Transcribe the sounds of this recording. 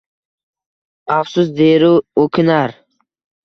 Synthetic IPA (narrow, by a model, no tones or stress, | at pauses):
afsusd̪eɾuokʲʰɪnaɾ